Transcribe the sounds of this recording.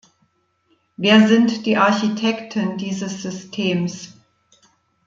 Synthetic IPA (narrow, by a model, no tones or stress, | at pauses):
veːɐzɪntd̥iːʔaɐçitʰɛktʰəndiːzəsz̥ʏstʰeːms